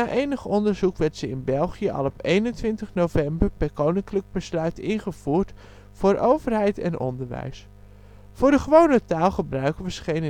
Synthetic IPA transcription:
aːʔejnəχɔndəɹzukʋɛɹtsəɪnbɛlˠχijəʔɑ̰lˠɔpejnəntʋɪntəχnowvɛmbəɹpɛɹkownɪŋkləɡ̚bəslœɥtɪnχəv̥uːɹt | fʊːɹʔowvərɦɛjtɛ̰nʔɔ̰ndəɹʋɛ̰js | fʊːɹdəχəʋownətaːlˠχəbrœɥkəʋəsχejn

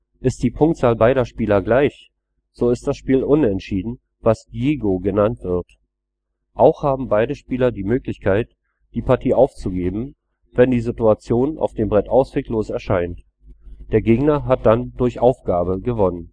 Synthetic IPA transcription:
ʔɪst̚d̥iːpʰʊŋktt͡saːlbaɪɾɐʃpiːlɐɡlaɪç | z̥oːɪst̚d̥asʃpiːlʔʊnɛntʃiːdn̩ | vasdjeːɡoɡənantv̥ɪɐt | ʔaʊxhaːbm̩baɪdəʃpiːlɐdiːmøːklɪçkʰaɪt | d̥iːpʰaɐtʰiːʔaʊft͡suɡeːbm̩ | vɛndiːzituat͡sjoːnʔa̰ʊfd̥eːmbʁɛtʔaʊsv̥eːkloːsɛɐʃaɪnt | d̥eːɐɡeːɡnɐɦat̚d̥andʊɐçʔaʊfɡ̥aːbəɡəvɔnən

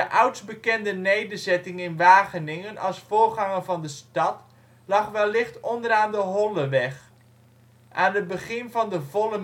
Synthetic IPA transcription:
əʔawtzbəkɛndənejdəzɛtɪŋɪnʋaːχənɪŋənʔɑ̰lˠsfoːrχɑŋənvɑndəstɑt | lɑχʋɛlːɪχtɔndəɾaːndəɦɔləʋɛx | ʔa̰ːnət̚bəχɪnvɑndəvolə

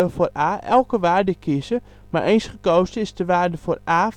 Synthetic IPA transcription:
əforaːɛ̰lˠkəʋaːrdəkʰisə | marʔeːnsχəkoːstɪsdəʋaːrdəforaː

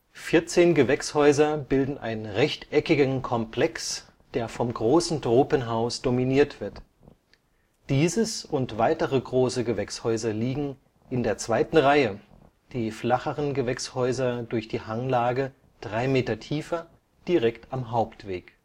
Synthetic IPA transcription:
fɪɐt͡seːnɡəvɛkshɔʏzɐbɪldn̩ʔa̰ɪnənʁɛçtʔɛkɪɡnkʰɔmpʰlɛks | d̥eːɐfɔmɡʁoːsn̩dʁoːpənɦaʊsd̥ominiːɐtv̥ɪɐt | d̥iːzəsʊntv̥aɪtəʁəɡʁoːsəɡəvɛkshɔʏzɐliːɡŋ̩ | ʔɪndeːɐt͡sv̥aɪtn̩ʁaɪə | d̥iːflaχəʁənɡəvɛkshɔʏzɐdʊɐçd̥iːhaŋlaːɡə | d̥ʁaɪmeːtɐtʰiːfɐ | d̥iʁɛktamɦaʊptv̥eːk

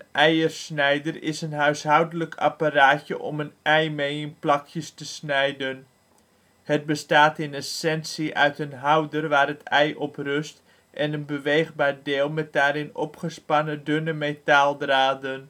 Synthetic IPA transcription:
ənʔɛjərsnɛjdərɪ̰sənɦœɥsɦawdələkʰa̰paraːtjəʔɔ̰mənʔɛjmejənplɑkʰjəstəsnɛjdən | hət̚bəstaːtɪnɛsɛnsiʔœɥtənɦawdərʋaːrətʰɛjʔɔprøst | ʔɛnənbəʋejχbaːɹdɪːlˠmɛt̚daːɾɪnɔ̰pχəspanədønəmetaːlˠdraːdən

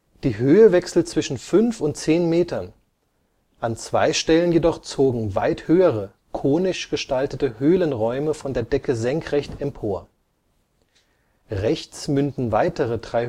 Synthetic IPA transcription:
d̥iːɦøːəvɛksl̩t͡sv̥ɪʃn̩fʏnfʊnt̚t͡seːnmeːtɐn | ʔant͡sv̥a̰ɪʃtɛlənjedɔχt͡soːɡŋ̩va̰ɪthøːəʁə | kʰoːnɪʃɡ̥əʃtaltətəhøːlənʁɔʏməfɔndeːɐdɛkəzɛŋkʁ̥ɛçtɛmpʰoːɐ | ʁɛçt͡smʏntn̩vaɪtəʁədʁaɪ

